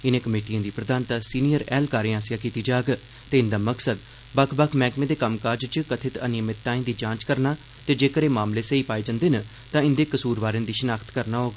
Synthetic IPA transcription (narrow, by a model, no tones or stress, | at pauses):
ɪnẽːkəmeːʈijãːd̪iːpɾəd̪aːnt̪aːsiːnijəɾɛːlkaːɾẽːaːsɪjaːkiːt̪iːd͡ʒaːɡ | t̪eːɪnd̪aːməksəd̪̚ | bəkʰbəkʰmɛ̃ːkmẽd̪eːkəmkaːɾd͡ʒt͡ʃəkət̪ʰɪt̪ənjəmɪt̪ːaːĩnd̪iːd͡ʒãːt͡ʃkəɾnaː | t̪eːd͡ʒeːkəɾeːmaːmleːseiːpaːeːd͡ʒãːnd̪eːnə | t̪ãːɪnd̪eːkəsuːɾʋaːɾẽnd̪iːʃənaːkʰt̪kəɾnaːɦoːɡ